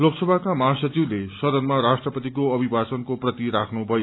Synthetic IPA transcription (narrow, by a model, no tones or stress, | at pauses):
loksʌbʱakamʌɦasʌt͡siwlesʌd̪ʌnmaɾasʈrʌpʌt̪ikoʌbʱibʱasʌnkoprʌt̪iɾakʰnubʱʌjo